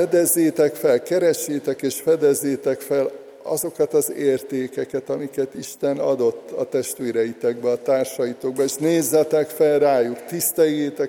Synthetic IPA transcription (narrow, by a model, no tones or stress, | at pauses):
ɛd̪ɛzːeːt̪ɛkfɛlkɛɾɛʃːeːt̪ɛkeːʃfɛd̪ɛzːeːt̪ɛkfɛl | ɒ̰zo̞kɒt̪ɒzeːrt̪eːkɛkɛt̪ɒmikɛt̪iʃt̪ɛnɒd̪o̞t̪ːɒ̰t̪ɛʃt̪ʋeːɾɛjit̪ɛɡ̚bɛɒt̪aːrʃɒjit̪o̞ɡ̚bɒeːʃneːzːɛt̪ɛkfɛlraːjukt̪ist̪ɛjːeːt̪ɛk